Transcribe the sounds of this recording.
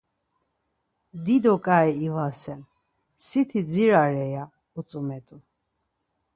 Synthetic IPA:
d̪id̪ɔkʼaɛivasɛn | sit̪ʰid͡ziɾaɾɛja | ut͡sʼumɛt̪ʼu

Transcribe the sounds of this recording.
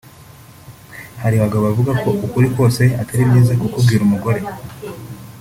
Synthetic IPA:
haɾiβaɡaβavuɡako̞ʔukuɾikwo̞ːse̞ataɾimɲiːzakukubɡiːɾumuɡo̞ɾe̞

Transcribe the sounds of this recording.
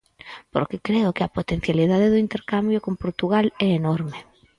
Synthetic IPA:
po̰ɾkekɾeʊkeapot̪en̟θjaliðaðeðʊint̪eɾkambjokompoɾt̪uɣ̞alɛenoɾme

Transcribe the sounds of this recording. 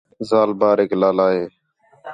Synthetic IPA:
zaːlbaːɾeːklaːlaːɦeː

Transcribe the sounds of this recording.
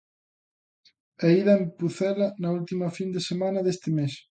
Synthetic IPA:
ɛiðɐempuθɛlɐnɐult̪imɐfind̪esemãnɐðest̪ɪmes

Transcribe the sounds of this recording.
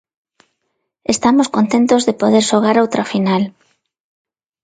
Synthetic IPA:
est̪amoskont̪ent̪ozðepoðeɾʃoɣ̞aɾawt̪ɾafinal

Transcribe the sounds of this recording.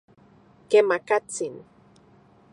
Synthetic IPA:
kemakat͡sin

